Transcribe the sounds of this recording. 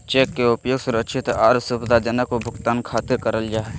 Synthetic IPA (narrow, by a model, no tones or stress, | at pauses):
t͡ʃeːkːeʊpjoːɡsʊɾəkʃʰɪt̪aːɾsʊbɪd̪ʱad͡ʒənəkobʱʊɡt̪aːnkʰaːt̪ɪɾkəɾəld͡ʒaːe